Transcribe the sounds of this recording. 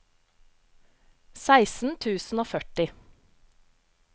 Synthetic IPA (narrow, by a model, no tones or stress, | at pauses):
sæɪsn̩t̪ʰʉːsn̩oːfœʈɪ